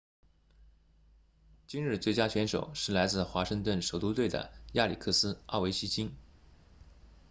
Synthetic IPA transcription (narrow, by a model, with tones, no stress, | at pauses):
t͡ɕi˥nɻ̩˥˧t͡swe˥˩ɪt͡ɕja˥t͡ɕʰɥɛ˧˥nʂo̰˨˩ʊʂɻ̩˥˩la˧˥ɪt͡sɹ̩˥˩xwa˧˥ʂɤ˥˧ŋt̪wə˥˩nʂo˨˩ʊt̪u˥t̪we˥˩ɪd̪ə̰˩ja˥˩lḭ˨˩kʰɤ˥˩sɹ̩˥ɑ˥˩we˧˥ɪɕʰi˥t͡ɕi˥n